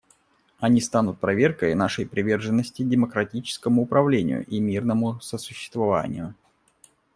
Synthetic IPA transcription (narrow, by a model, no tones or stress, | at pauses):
ɐnʲist̪anʊt̪̚pɾɐvʲe̞rkəjnaʂəjpɾʲɪvʲe̞rʐɨnːəsʲtʲɪdʲɪməkɾɐtʲit͡ɕɪ̥skəmʊːpɾɐvlʲenʲɪ̰jʊ̰ʔimʲirnəmʊsəsʊ̥ɕːɪ̥st̪vɐva̰nʲɪ̰jʊ